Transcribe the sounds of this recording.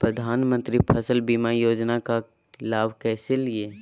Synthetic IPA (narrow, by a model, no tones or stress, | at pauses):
pɾəd̪ʱaːnmə̃nt̪ɾipʰəsəlbimajoːd͡ʒnakak | ɪlaːbkɛːselie